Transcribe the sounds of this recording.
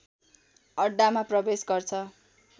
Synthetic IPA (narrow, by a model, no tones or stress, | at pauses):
ʌɖːamaprʌbesɡʌrt͡sʰʌ